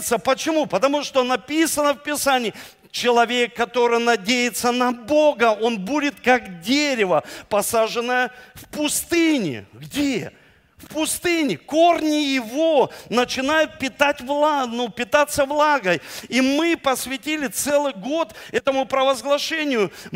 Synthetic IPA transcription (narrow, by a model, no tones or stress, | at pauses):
t̪səpət͡ɕɪmupət̪ɐmuʂt̪o̞nɐpʲisənəfpʲɪsanʲɪː | t͡ɕɪlˠɐvʲe̞kːɐt̪o̞ɾɨjnɐdʲejɪt̪sənɐboɡəo̞nbudʲɪt̪̚kakdʲeɾʲɪvəpɐsaʐɨnːəjəfpʊst̪ɨnʲɪ̰ɡdʲe | fpʊst̪ɨnʲɪkornʲɪjɪvonət͡ɕɪnajʊt̪̚pʲɪt̪atʲvlˠanupʲɪt̪at̪səvlˠaɡəjimɨpəsʲvʲɪtʲilʲɪt̪sɛlˠɨjɡo̞t̪ɛt̪əmʊpɾəvəzɡlˠɐʂɛnʲɪjʊ